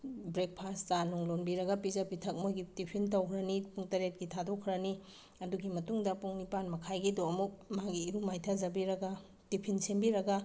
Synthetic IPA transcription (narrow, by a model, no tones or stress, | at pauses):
bɾek̚pʰastanuŋlonbiɾɐɡɐpizapitʰɐk̚mojɡitipʰintɐwkʰɾɐnipuŋtɐɾet̚ɡitʰadokʰɾɐni | ɐduɡimɐtuŋdɐpuŋnipanmɐkʰajɡidoɐmuk̚maɡiːɾumajtʰazɐbiɾɐɡɐ | tipʰinsembiɾɐɡɐ